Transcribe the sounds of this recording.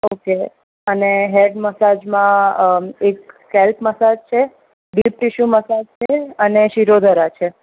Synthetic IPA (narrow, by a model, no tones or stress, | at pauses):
oke | əneɦeɖməsad͡ʒmã | ek̚ː | ɛlpməsad͡ʒt͡ʃʰe | ɖipɾiʃuməsad͡ʒt͡ʃʰeəneʃiɾod̪ʱəɾat͡ʃʰe